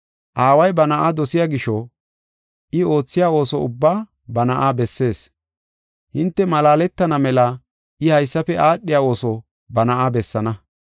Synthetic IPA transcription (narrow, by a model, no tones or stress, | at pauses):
ʔaːwɐjbɐnɐaʔad̪ɔsɪjaɡɪʃɔ | ʔɪo̞ːt͡sːɪjaːo̞ːsɔʊ̰bːaː | bɐnɐʔaːbɛsːe̞ːs | hɪnt̪ːɛmɐlaːlɛt̪ːɐnɐmɛlɐ | ɪhɐjsːɐfɛʔaːɗːɪjaːo̞ːsɔ | bɐnɐʔaːbɛsːɐnɐ